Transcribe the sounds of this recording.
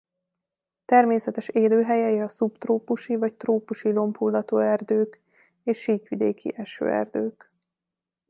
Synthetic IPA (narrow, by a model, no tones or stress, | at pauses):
t̪ɛrmeːsɛt̪ɛʃeːløːɦɛjɛjɛɒsupt̪roːpuʃivɒct̪roːpuʃilo̞mpʰulːɒt̪oːɛrd̪øːk | eːʃːiːkʋid̪eːkḭʔɛʃø̰ːɛ̰rd̪øːk